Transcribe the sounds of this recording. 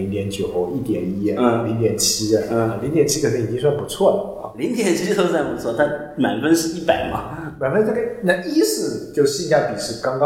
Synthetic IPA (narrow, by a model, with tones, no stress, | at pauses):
i˧˥ŋt̪jɛ˧˥nt͡ɕjo˨˩ʊxo˥˧ʊi˥˩t̪jɛ˨˩ni˥˧˦li˧˥ŋt̪jɛ˨˩nt͡ɕʰi˥ə˨˩˥li˧˥ŋt̪jɛ˨˩nt͡ɕʰi˥kʰə˨˩n̩˥˧˨i˨˩t͡ɕi˥ŋs̬wa˥˩npu˧˥t͡sʰwɔ˥˩lə˩li˧˥ŋt̪jɛ˨˩˦nt͡ɕʰi˧˥ʂ̩˥˧t̪o˥ʊsa˥˩ɪpu˧˥t͡sʰwɔ˥˩t̪ʰa˥˩ | ma̰˨˩ɪfə˥nʂɻ̩˥˧i˥˩pa˨˩ɪmɐ̰˦ma˨˩ɪfə˥nna˥˩ɡə˨˩na˥˧i˥sɹ̩˥˩t͡ɕjo˥˧ʊɕi˥˧ɕja˥˩pi˨˩ʂɻ̩˥˩kɑ˥ŋkɑ˥